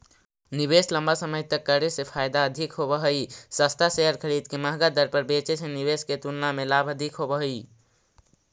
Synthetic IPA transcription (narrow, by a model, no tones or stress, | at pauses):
nibesləmbasəməjt̪əkːəɾesepʰaːjd̪aəd̪ʱikɦobəɦəisəst̪ʰaseɦəɾkʰəɽiːd̪keməɦɡad̪əɾpəɾbet͡ʃesẽniβesket̪ulnamelaːbʱəd̪ʱikɦobəɦəi